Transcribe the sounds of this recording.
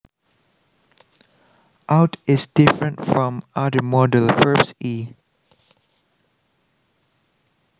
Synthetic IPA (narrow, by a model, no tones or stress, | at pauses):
ʔaʊtʰɪsdɪfɹə̃ntfɹɔ̃madəmɔdəlfɜbsi